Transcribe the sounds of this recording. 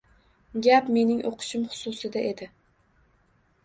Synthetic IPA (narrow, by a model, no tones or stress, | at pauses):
ɡʲapme̞nɪŋʔoqʰɨ̥ʃɪmχʊ̥sʊsɪd̪aʔe̞d̪ɪ